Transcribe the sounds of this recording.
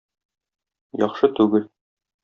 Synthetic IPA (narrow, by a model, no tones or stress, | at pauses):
jɒχʃɤt̪ʉɡɘl